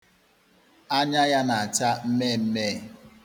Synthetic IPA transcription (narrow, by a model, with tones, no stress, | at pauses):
a˦ɲa˦ja˦na˨a˨t͡ʃa˦m̩˦me˦˨m̩˦me˦˨